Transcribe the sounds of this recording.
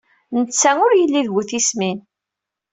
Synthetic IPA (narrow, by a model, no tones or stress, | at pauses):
nət͡sːæʊɾjəlːiðɡuθismin